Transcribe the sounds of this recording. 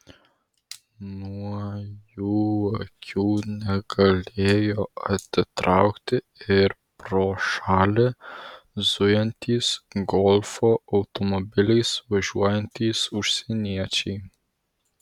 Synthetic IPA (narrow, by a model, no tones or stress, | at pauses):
muajuəkʰunəɡalɛjɔət̪ət̪ɾawxt̪ɛ | ɛɾ | pɾɔʃalɛ | zujant̪ʰisɡɔlfɔʔawt̪ɔmɔbilisvəʒuajnt̪isuɾsɛniat͡ʃi